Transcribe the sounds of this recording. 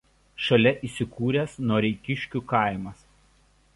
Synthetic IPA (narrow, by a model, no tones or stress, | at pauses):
ʃɐlʲɛʔiːˑsʲɪkuːɾʲeːˑsnuɔɾʲɛɪkʲɪʃʲkʲuˑkɑˑɪmɐs